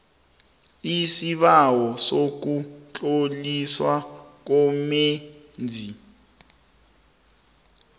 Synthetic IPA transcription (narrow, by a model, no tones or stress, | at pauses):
isiɓawɔsok̬ut͡ɬʼoliswak̬ɔme | nd͡zʱi